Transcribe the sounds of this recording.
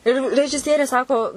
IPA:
ɪr rʲɛʒʲɪˈsʲiɛrʲeː ˈsɑːkoː

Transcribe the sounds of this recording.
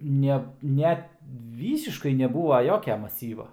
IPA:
ˈnʲɛ ˈnʲɛt ˈʋʲiːsʲɪʃkɐɪ nʲɛˈbuːʋɐ ˈjoːkʲɛ mɐˈsʲiːʋɐ

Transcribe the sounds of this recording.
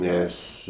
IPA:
ˈnʲɛs

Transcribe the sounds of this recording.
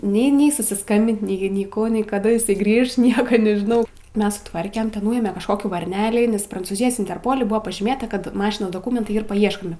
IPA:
nʲɛɪ ˈnʲɛɪ sʊsʲɪsˈkɐmʲbʲɪnt nʲɛɪ nʲɛɪ ˈkuː nʲɛɪ kɐˈdɐ ɪˈsɐɪ ˈɡrʲiːʃ ˈnʲiɛkɐ nʲɛʒʲɪˈnɐʊ ˈmʲɛs sʊˈtʋɐrʲkʲɛm tʲɛn ˈnuːeːmʲɛ kɐʃˈkoːkʲiː ʋɐrʲˈnʲæːlʲeː nʲɛs prɐnt͡suːˈzʲɪjoːs ɪnʲtʲɛrˈpoːlʲɪ ˈbʊʋoː pɐʒʲiːˈmʲeːtɐ ˈkɐt ˈmɑːʃʲɪnoːs doːˈkuːmʲɛntɐɪ ˈiːr pɐˈiɛʃkoːmʲɪ

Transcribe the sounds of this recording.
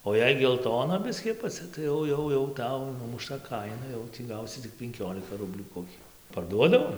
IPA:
oː ˈjɛɪ ɡʲɛlˠˈtoːnɐ ˈbʲɪsʲkʲiː ɐpɐˈt͡sʲɛ tɐɪ ˈjɛʊ ˈjɛʊ jɛʊ ˈtɐʊ nʊmʊˈʃtɐ ˈkɐɪnɐ ˈjɛʊ tʲiː ˈɡɐʊsʲɪ tʲɪk pʲɛŋʲˈkʲoːlʲɪkɐ ˈrʊbʲlʲuː koːˈkʲʊ pɐrˈduɔdɐʋoː

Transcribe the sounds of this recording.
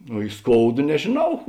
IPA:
oː ɪ ˈskoːʊdɐ nʲɛʒʲeːˈnɐʊ

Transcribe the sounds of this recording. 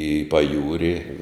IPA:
ɪ pɐˈjuːrʲɪ

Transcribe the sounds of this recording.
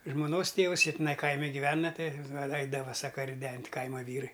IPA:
ʒmoːˈnoːs ˈtʲeːʋʊs ˈjiɛ tʲɪˈnɐɪ ˈkɐɪmʲɪ ɡʲɪˈʋʲæːnɐ ˈtɐɪ ˈɛɪdɐʋɐ ˈsɑːkɐ rʲɪˈdʲɛnʲtʲ ˈkɐɪmɐ ˈʋʲiːrɐɪ

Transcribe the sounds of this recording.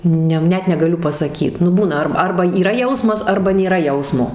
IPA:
ˈnʲɛ ˈnʲɛt nʲɛɡɐˈlʲʊ pɐsɐˈkʲiːt nʊ ˈbuːnɐ ˈɐr ˈɐrbɐ iːˈrɐ ˈjɛʊsmɐs ˈɐrbɐ nʲeːˈrɐ ˈjɛʊsmoː

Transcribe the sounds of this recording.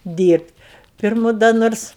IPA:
ˈdʲiːrʲpʲtʲ ˈpʲɪrmʊ dɐ ˈnoːrs

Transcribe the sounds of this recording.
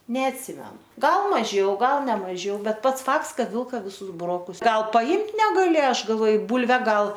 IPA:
nʲɛɐtʲˈsʲɪmʲɛnʊ ˈɡɐlˠ mɐˈʒʲɛʊ ˈɡɐlˠ nʲɛ mɐˈʒʲɛʊ ˈbʲɛt ˈpɐts ˈfɐkts ˈkɐt ˈʋʲɪlˠkɐ ʋʲɪˈsʊs bʊˈroːkʊs ˈɡɐlˠ pɐˈɪmt nʲɛɡɐˈlʲeː ˈɐʃ ɡɐlˠˈʋoːj ˈbuːlʲʋʲɛ ˈɡɐlˠ

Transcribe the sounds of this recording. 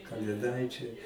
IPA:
kɐlʲeːˈdɐɪt͡ʃʲɛɪ

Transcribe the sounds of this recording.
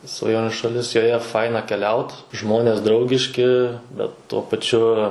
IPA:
sʋɐˈjoːnʲʊ ʃɐˈlʲɪs joːˈjɛ ˈfɐɪnɐ kʲɛˈlʲɛʊt ˈʒmoːnʲeːs ˈdrɐʊɡʲɪʃʲkʲɪ ˈbʲɛt tuɔ pɐˈt͡ʃʲʊ

